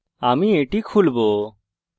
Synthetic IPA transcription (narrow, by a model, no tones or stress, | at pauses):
amieʈikʰulbo